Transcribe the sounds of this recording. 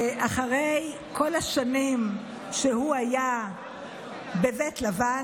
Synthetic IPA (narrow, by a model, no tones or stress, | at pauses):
ʔaχaʁej | kʰo̞laʃanim | ʃehuaja | bevetlava